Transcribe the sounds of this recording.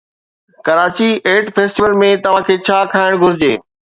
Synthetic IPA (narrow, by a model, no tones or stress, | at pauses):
kɐɾaːt͡ɕieːʈfeːsʈiʋəlmẽt̪ɐʋ̤ãkʰeːt͡ɕʰaːkʰaːɪɽ̃ɡʱʊɾɪd͡ʑeː